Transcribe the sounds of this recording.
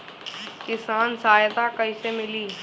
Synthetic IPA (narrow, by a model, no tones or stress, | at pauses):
kɪsaːnsaːjd̪akəĩːsemɪliː